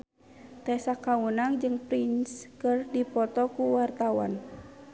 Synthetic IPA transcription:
t̪ɛsakaunaŋd͡ʒɨŋpɾinskərdipɔt̪ɔkuwart̪awa̰n

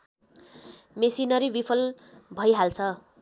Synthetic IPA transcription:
mesinʌɾibipʰʌl | bʱʌjɦalt͡sʰʌ

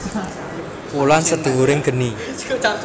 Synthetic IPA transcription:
wulansəd̪̥ṳɦuɾɪŋɡ̥ə̤ni

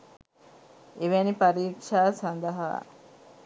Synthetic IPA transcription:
eʋenipɐɾiːkʂaːsɐnd̪ɐɦa̰ː

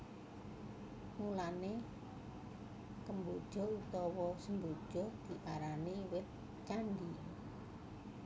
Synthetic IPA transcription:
mulane | kəmbod̥ʒ̥ɔ̤ut̪ɔwɔsəmbod̥ʒ̥ɔ̤d̪̥i̤ʔaɾaniwɪt̪̚ | t͡ʃandi

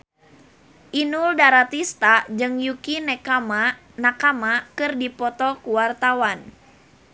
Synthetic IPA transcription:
ʔinuldaɾat̪ist̪ad͡ʒɨŋjukinɛkama | nakamakɨrdipɔt̪ɔkuwart̪awan

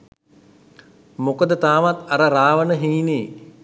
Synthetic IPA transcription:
mokəd̪ət̪aːʋat̪aɾəɾaːʋənəɦiːneː

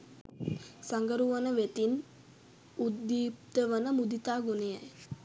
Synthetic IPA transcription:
saŋɡəɾuʋanəʋet̪in | ud̪ːiːp̚t̪əʋənəmud̪it̪aːɡoneja̰j

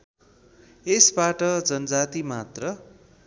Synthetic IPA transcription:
esbaʈʌd͡zʌnʌd͡zat̪imat̪rʌ

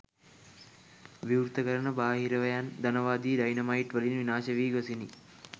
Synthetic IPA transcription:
ʋiuɾt̪əkəɾənəbaːɦiɾəʋəjand̪anəʋaːd̪iːɖajnɐmaiʈʋəlinʋinaːʃɐʋiːɡosini

